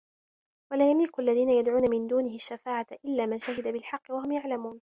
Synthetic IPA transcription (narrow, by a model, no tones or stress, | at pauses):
walaːjamlɪkʊʔalːaðiːnajad̪ʕuːnamɪnd̪uːnɪhɪaʃːafaːʕaʔɪlːaːmanʃaɦɪd̪abɪlħɑqːɪwaɦʊmjaʕlamuːn